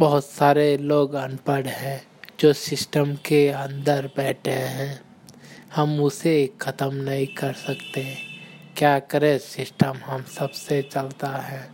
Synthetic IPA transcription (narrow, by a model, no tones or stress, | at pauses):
bɐɦʊt̪saːɾeloːɡɐnpəɽɦɛ̃ː | d͡ʒoːsɪsʈəmkeə̃nd̪əɾbɛːʈʰeɦɛ̃ː | hɐmʊseːkʰːɐt̪əmnɐɦĩkɐɾsɐkt̪eɦɛ̃kjaːkəɾẽsɪsʈəmɦɐmsɐbset͡ʃəlt̪aɦɛ̃ː